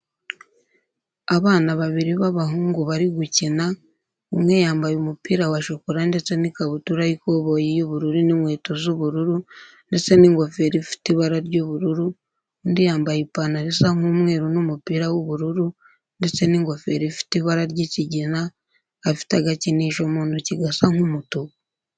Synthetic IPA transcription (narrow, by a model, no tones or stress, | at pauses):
aβaːnaβaβiɾiβaβaɦuːŋɡuβaɾiɡucina | umŋe̞jaːmbajumupiːɾawaʃokuɾande̞t͡se̞nikaβutuɾajikoβojijuβuɾuɾinimwe̞ːtozuβuɾuɾu | nde̞t͡se̞niŋɡofeɾifi̥tiβaɾaɾɟuβuɾuɾu | ndijaːmbajipanaɾisaŋ̥umŋe̞ːɾunumupiːɾawuβuɾuɾu | nde̞t͡se̞niŋɡo̞fe̞ɾifi̥tiβaɾaɾɟiciɟinaː | fi̥taɡaciniʃomuːnduciɡasaŋumutu